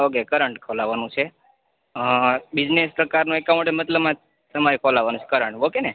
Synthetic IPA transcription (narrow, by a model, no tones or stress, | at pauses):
ʋəɡekəɾəɳʈkʰolaʋanũt͡ʃʰe | bid͡ʒnespɾəkaɾnũekamoʈemət̪ləbmã | səmaɾikʰolaʋanũt͡ʃʰe̥kəɾəɳʈʋokene